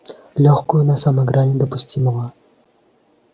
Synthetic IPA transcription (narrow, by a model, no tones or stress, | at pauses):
lʲɔxkʊjʊnɐsɐmɐɡɾanʲɪd̪əpʊsʲtʲiməvˠə